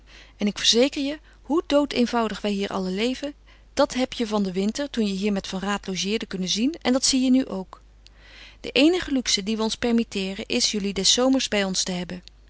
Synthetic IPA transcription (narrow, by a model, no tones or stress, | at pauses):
ɛnɪkfəɹzejkəɹjə | ɦudowtejnvɑwdəχʋɛjɦiːɹʔɑ̰ləlejvən | d̥ɑtɦɛpjəvɑndəʋɪntəɹtunjəɦiːɹmɛtfɑnraːtlowʒɪːɹdəkɵnənzinɛ̰ndɑtsijənyʔowk | d̥ə̰ʔejnəχəlyksədiʋəɔnspɛɹmitɪːrənʔɪsjɵlidɛsowməɹzbɛjɔnstəɦɛbən